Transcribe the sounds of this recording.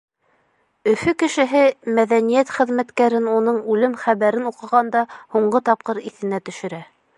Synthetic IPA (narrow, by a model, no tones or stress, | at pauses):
ɵ̆fɵkɘ̆ʃɘ̆ɦɘmæðænijæt̪χɘ̆ðmæt̪kæɾɘnunɤɴʉlɘmχæβæɾɘnuqɤ̆ʁɑnd̪ɑhuɴɢɤt̪ɑp̚qɤɾiθɘ̆næt̪ɵ̆ʃɵ̆ɾæ